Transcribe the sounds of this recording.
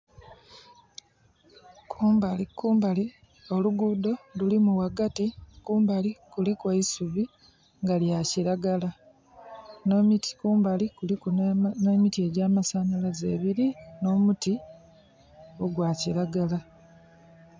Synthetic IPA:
kʰuːmbalikuːmbali | o̞luɡudo̞lulimuwaɡatikuːmbalikulikwoisuvi | ŋɡaljaciɾaɡala | nomtkuːmbalikulikuneːmitie̞ɟaːmasaːnalaze̞̰ːβiɾino̞ːmuti | oɡwaːciɾaɡala

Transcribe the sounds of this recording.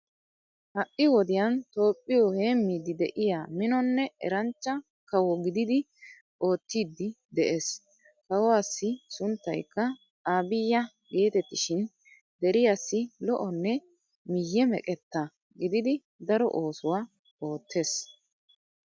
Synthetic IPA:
hɐʔɪwɔd̪ɪjɐnt̪o̞ːpʼːɪjɔhe̞ːmːiːd̪ɪd̪ɛʔɪjaːmɪnɔnːɛʔɛ̰ɾɐnt͡ʃːɐ | kɐwɔɡɪd̪ɪd̪ɪ | ʔo̞ːt̪ːiːd̪ːɪ | d̪ɛʔeːs | kɐwɔwaːsːɪsʊnt̪ːɐjkːɐ | aːbɪjːɐ | ɡe̞ːt̪ɛt̪ːɪʃɪn | d̪ɛɾɪjasːɪlɔʔɔnːɛ | mɪjːɛmɛkʼɛt̪ːɐ | ɡɪd̪ɪd̪ɪ | d̪ɐɾɔ̰ʔoːsʊwa | o̞ːt̪ːe̞ːs

